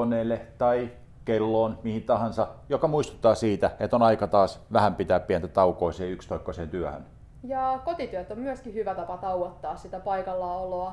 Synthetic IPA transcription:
onˑeːlːet̪ɑi | kelːoːnmihint̪ɑhɑnsɑjokɑmuist̪u̥t̪ːɑːsiːt̪æet̪ːonɑikɑt̪ɑːsʋæhæmpit̪æːppiænt̪æt̪ɑukoiseːykst̪oikːoseːnt̪yæhø̰n | jɑkot̪it̪yæt̪ːommyæskihyʋæt̪ɑpɑt̪ɑuwot̪ːɑːssit̪æpɑikɑlːɑoloɑ

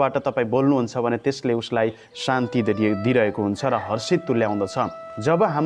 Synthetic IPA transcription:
baʈʌt̪ʌpaĩbolnuɦunt͡sʰʌbʱʌnet̪esleuslaj | sant̪id̪iɾʌɦekoɦunt͡sʰʌɾʌɦʌrsit̪ːuljaw̃d̪ʌt͡sʰʌd͡zʌbʌɦam

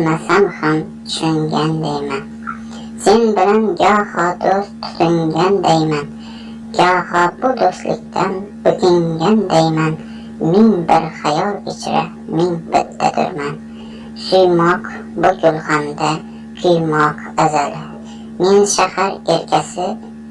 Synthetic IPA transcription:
masamhamt̪ʰʊʃʊŋɡʲand̪ajman | se̞nbɪlanɡʲahɒd̪ostt̪ʰːʊ̥t̪ʰʊŋɡʲand̪ajman | ɡʲahɒbʊd̪ost̪lɪ̰k̚ʲt̪ʰanb̥ɪt̪ʰɪŋɡʲand̪ajman | meŋbɪɾχajɒlˠɪt͡ʃʰɾa̰ | meŋbɪ̰t̪ʰːa̰t̪ʰʊ̰ɾman | ʃʊjmɒq | bʊɡʲʊlˠhamd̪a | kʲʰʊjmɒq | azalɪ | me̞nʃahaɾe̞ɾkʲʰasɪ

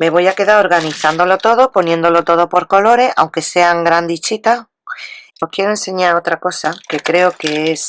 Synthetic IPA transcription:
me̞β̞o̞jake̞ðaɾo̞ɾɣaniθand̪o̞lo̞t̪o̞ð̞opo̞njẽnd̪o̞lo̞t̪o̞ð̞opo̞ɾko̞lo̞ɾe̞a̰wŋkese̞aŋɡɾand̪it͡ʃit̪a | ohkje̞ɾoe̞nse̞ɲaɾo̞t̪ɾako̞sake̞kɾe̞oke̞es

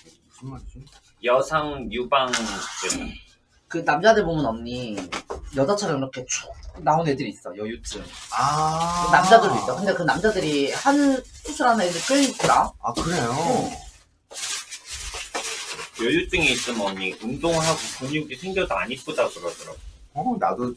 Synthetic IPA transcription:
jʌsʰaŋjubaŋt͈ɯm | kɯnamd͡ʑadɯɭbomɯnʌmɲi | jʌd͡ʑat͡ɕʰaɾɯmiɾʌkʰe̞t͡ɕʰonaone̞dɯɾiːs͈ʌjʌjut͈ɯŋaɯnamd͡ʑadɯɭɾoit͈ʌkɯnde̞kɯnamd͡ʑadɯɾihanʰusʰɯɾananɯɭk͈ɯit͈ʰɯɾaakɯɾe̞jo | jʌjut͈ɯŋeis͈ɯmʌmɲiɯŋdoŋɯɦaɡokoɲuɡisʰeŋɡjʌdoa̰ɲip͈odaɡɯɾadɯɾaɡonado

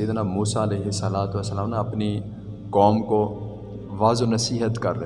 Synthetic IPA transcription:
iːd̪namuːsaɐleːɦɪsːɐlaːt̪ʋɐsːɐlaːmnaɐpni | kɔːmko | ʋaːzonɐsiːɦət̪kɐɾd̪e

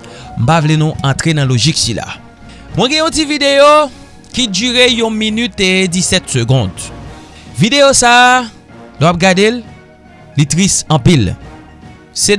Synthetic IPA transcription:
m̩pavlenũɑ̃t̪ʁenãloʒiksila̰ | mw̃ɛ̃ɡɛ̃ɔ̃tivid̪ejo | kid͡ʒyʁejɔ̃minyt̪edisɛt̪søɡɔ̃d̪ | vid̪ejosaː | lowap̚ɡad̪elː | it̪ʁisɑ̃pil | se

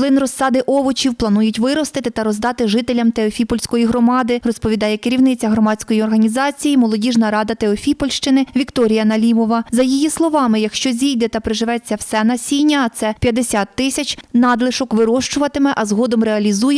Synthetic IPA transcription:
lˠɪnrɔsːɑd̪ɪʔɔʋɔt͡ʃʲiwplˠɐnujʊtʲʋɪɾɔst̪ɪt̪ɪt̪ɐɾɔzd̪ɑt̪ɪʒɪt̪elʲɐmt̪eɔfʲipɔlʲsʲkɔjiɦɾɔmɑd̪ɪrɔspɔʋʲid̪ɑjɛkɪɾʲiwnɪt͡sʲɐɦɾɔmɑt͡sʲkɔjiɔrɦɐnʲizɑt͡sʲijimɔlˠɔdʲiʒnɐɾɑd̪ɐt̪eɔfʲipɔlʲʃt͡ʃɪnɪʋʲikt̪ɔɾʲijɐnɐlʲimɔʋɐzɐjijislˠɔʋɑmɪjɐkʃt͡ʃɔzʲijd̪ɛt̪ɐpɾeʒɪʋɛt͡sʲːɐwsɛnɐsʲijnʲːɐːt̪sɛpʲjɐd̪ːesʲat̪ːɪsʲɐt͡ʃʲnɑd̪lˠɪʃɔkʋɪɾɔʃt͡ʃʊʋɐt̪ɪmɛʔɐzɦɔd̪ɔmreɐlʲizujɛ

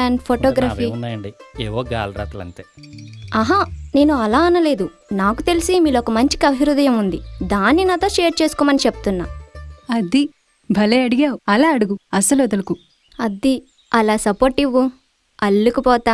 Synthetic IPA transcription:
aːnpʰoʈɔːɡɾaːfinːaːjɐɳɖiḛːʋoːɡa̰ːlɾa̰ːt̪ɐlɐ̰nt̪eːɐɦane̞ːnuɐlaːɐnɐle̞ːd̪u | naːkut̪e̞lisimiːlɔkɐmɐɲt͡ʃi̥kiɐbʱiɾud̪ɐjɐmund̪id̪aːnːinɐt̪oːʃeːɾʈ̚t͡ʃe̞ːsukɔːmɐnit͡ʃepu̥t̪unːa̰ːɐd̪i | bʱɐleːɐɽiɡaːwuɐlaːɐɽuɡuɐsɐloːd̪ɐluku | ɐd̪i | ɐlaːsɐpoːɾʈiʋu | ɐlːikupɔːt̪aː

